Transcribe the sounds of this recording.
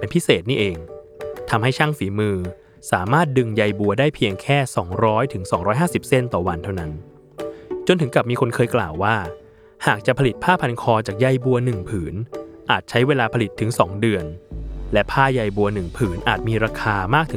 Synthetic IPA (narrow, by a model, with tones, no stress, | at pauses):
e˧npʰi˦˥seː˨˩t̪̚niː˥˩ʔeː˧ŋt̪ʰa˧mha˥˩jt͡ɕʰaː˥˩ŋfiː˩˦mɯː˧ | saː˩˦maː˥˩t̪̚dɯ˧ŋja˧jbu˧ɐdaː˥˩jpʰi˧əŋkʰɛː˥˩sɔː˩˦ŋɾɔː˦˥jt̪ʰɯ˩˦ŋsɔː˩˦ɾɔː˦˥jɦaː˥˩si˨˩p̚se˥˩nt̪ɔː˨˩wa˧nt̪ʰa˥˩wna˦˥n | t͡ɕo˧nt̪ʰɯ˩˦ŋka˨˩p̚miː˧kʰo˧nkʰɤː˧jkla̰ː˨˩wːaː˥˩ | haː˨˩k̚t͡ɕa˨˩pʰa˧li˨˩t̪̚pʰaː˥˩pʰa˧nkʰɔː˧t͡ɕaː˨˩k̚ja˧jbu˧ɐnɯ˨˩ŋpʰɯː˩˦nʔaː˨˩t̪̚t͡ɕʰa˦˥jweː˧laː˧pʰa˧li˨˩t̪ʰːɯ˨˩˦ŋsɔː˩˦ŋdɯ˧ənlɛ˦˥pʰaː˥˩ja˧jbu˧ɐnɯ˨˩ŋpʰɯː˩˦nʔaː˨˩t̪̚miː˧ɾaː˧kʰaː˧maː˥˩k̚t̪ʰɯ˩˦